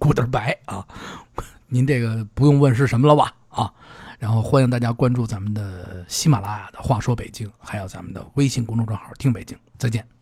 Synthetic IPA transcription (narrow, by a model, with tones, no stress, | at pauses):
ku˨˩t̪ə˞˧˥pa˧˥ɪɐ˥˩ | ni˧˥nʈ͡ʂe˥˩ɡə˩pu˧˥jʊ˥˧ŋwə˥˧nʂ̬ɻ̩˥˩ʂə˧˥nmə˧lə˨bɐ̰˨˩ | ɐ˧˩ | ɻa˧˥nxo˥˧˩ʊxwa˥i˥˧ŋt̪a˥˩t͡ɕja˥kwa˥nʈ͡ʂu˥˩t͡sa˧˥mə˨nd̪ə˩ɕi˥ma˨˩la˥ja˨˩d̪̥ə˩xwa˥˩ʂwɔ˥pe˨˩ɪt͡ɕi˥ŋxa˧˥ɪjo˨˩ʊt͡sa˧˥mə˨nd̪ə̰˨˩we˥ɪɕi˥˩ŋkwa˥ŋʈ͡ʂʊ˥˧ŋʈ͡ʂwa˥ŋxɑ̰˥˩˥t̪ʰi˥ŋpe˨˩ɪt͡ɕi˥ŋt͡sɪt͡ɕjɛ˥˩n